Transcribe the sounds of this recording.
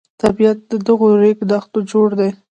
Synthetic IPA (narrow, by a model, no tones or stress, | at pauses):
t̪abijat̪̚d̪əd̪əɣoɾekd̪axt̪od͡ʒoɽd̪e